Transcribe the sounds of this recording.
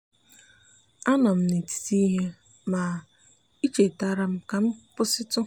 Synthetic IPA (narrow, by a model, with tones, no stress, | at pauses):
a˦nɔ˨m̩˦ni˨ti̥˨ti˦ɦe˦ | ma˨ | i˦t͡ʃe˨ta˦ɾa˨m̩˦ka˨m̩˦pʊ˦sɪ˦tʊ˦